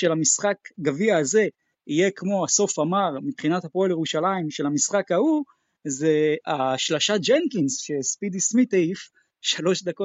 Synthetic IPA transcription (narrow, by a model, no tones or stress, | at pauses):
ʃe̞lamisχakɡaviaːze̞ | ije̞kmo̞aso̞famaʁmipχinat̪hapoljeʁuʃalaimʃe̞lamisχakau | zeaʃlaʃat̚d͡ʒentlinsʃespid̪ismit̪eif | ʃalo̞ʃd̪ako